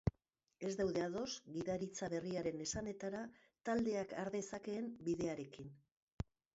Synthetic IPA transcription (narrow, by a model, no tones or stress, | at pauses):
e̞zd̪awðe̞aðo̞sɡiðaɾit͡saβe̞riaɾe̞ne̞sane̞t̪aɾa | t̪ald̪e̞akaɾðe̞sake̞ːmbiðe̞aɾe̞kin